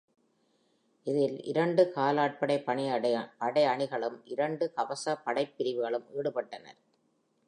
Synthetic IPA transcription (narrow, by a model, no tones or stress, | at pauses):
ɪðɪlɪ̰ɾɐɳɖɯkaːlaːʈ̚pɐɽɐɪpːɐɳɪpɐɽɐɪɐɳɪɣɐɭɯmʔɪɾɐɳɖɯkɐʋɐsɐpɐɽɐɪpːɪɾɪʋɯɣɐɭɯmiːɽɯpɐʈːɐnɐ̰ɾ